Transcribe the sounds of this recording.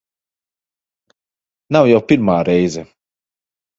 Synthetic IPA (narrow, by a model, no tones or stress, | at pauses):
nawjɛwpiɾmaːɾɛjzɛ